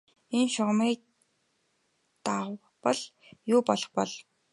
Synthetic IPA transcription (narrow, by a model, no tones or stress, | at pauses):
enʃʊʁmiː | t̪aw | pɔɮ | jʊːpɔɮɞ̥̆χpɔɮ